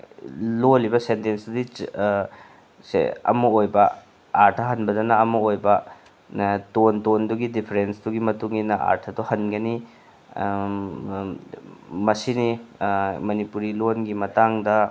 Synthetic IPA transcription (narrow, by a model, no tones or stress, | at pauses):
lolibɐsentensudi | sḛɐ̰mɐojbɐ | aɾtʰɐɦɐnbɐdɐnɐːmɐojbɐ | tontonduɡidipʰɐɾensduɡimɐtuŋinɐʔa̰ɾtʰɐdɔhɐnɡɐni | mɐsini | mɐnipuɾilonɡimɐtaŋdɐ